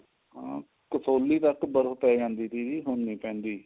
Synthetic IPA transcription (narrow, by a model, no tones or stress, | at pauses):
ã | kəsoːlːiːt̪əkbəɾəpɛːd͡ʒãːnd̪iːt̪ʰiːd͡ʒiːɦonːiːpɛ̃ːnd̪iː